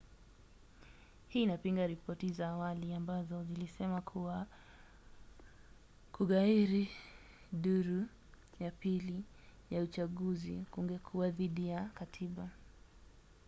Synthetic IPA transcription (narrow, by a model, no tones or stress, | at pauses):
hiːnapiŋɡaɾipɔtizaːwaliambazɔzilisɛmakʰuwa | kuɠaiɾi | ɗuɾu | japili | jaut͡ʃaɠuzikuŋɡɛkʰuaðiɗijakatʰiɓa